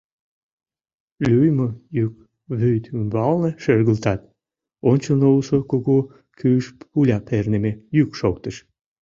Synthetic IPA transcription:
lʲyjmojyk̚ | βyjt̪ymbɑlneʃørɣəlt̪ɑt̪ | onʲt͡ɕənousokoɣu | kʰyʃpulʲɑpʰernemejykʃok̚t̪əʃ

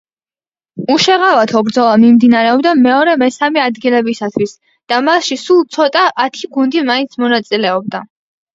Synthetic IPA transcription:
uʃɛʁavat̪ʰɔbɾd̪zɔlˠamimd̪inaɾɛɔbd̪amɛɔɾɛmɛsamiad̪ɡilɛbisat̪ʰwis | d̪̥amasʃisulˠt̪sʰɔt̪ʼaʔːt̪ʰiɡund̪imaint̪sʰmɔnat̪sʼilɛɔb̚d̪a

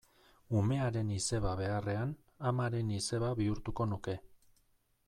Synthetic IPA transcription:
ume̞aɾe̞nise̞βaβe̞are̞an | amaɾe̞nise̞βaβiuɾt̪uko̞nuke̞

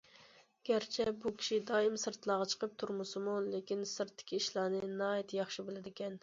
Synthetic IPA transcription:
ɡ̥ʲæɾt͡ʃʰɛbukʲʰi̥ʃid̪ɑːimsɨɾt̪ʰlˠɑːʁɑt͡ʃʰə̥qʰəp̚t̪ʰuɾmusɨmulekʲinsɨɾt̪ʰːɪ̥kʲʰiːʃlˠɑːnɨnɑːjit̪ʰjɑχʃɨbɪlɪd̪ɪkʲɛn

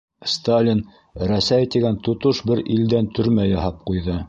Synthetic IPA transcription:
st̪alʲin | ɾæsæjt̪iɡænt̪ŏt̪oʃbɘɾild̪ænt̪ʰɵ̆ɾmæjɑɦɑp̚qujðɤ

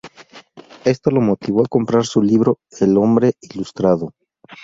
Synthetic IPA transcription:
e̞st̪olo̞mo̞t̪iβ̞o̞ako̞mpɾaɾsuliβɾo̞ | elo̞mbɾe̞ilust̪ɾaðo̞

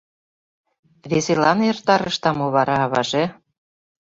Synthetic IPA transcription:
βeselɑnert̪ɑɾəʃt̪ɑmoβɑɾɑːβɑ̰ʒe

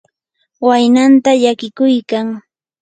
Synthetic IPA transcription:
wajnant̪aʎakɪkʊjkaŋ

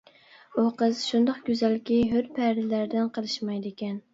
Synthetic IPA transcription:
uqəz̥ʃund̪ɑqɡʲyzælkʲiɦøɾpʰæɾɪlæɾd̪ɪnqʰəlˠɨʃmɑjd̪ɪkʲɛn

